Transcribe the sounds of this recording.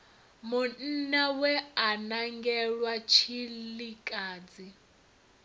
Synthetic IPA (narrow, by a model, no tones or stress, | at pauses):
mun̩nawɛanaŋɡɛɺwat͡ʃʰillikʼaːd͡zi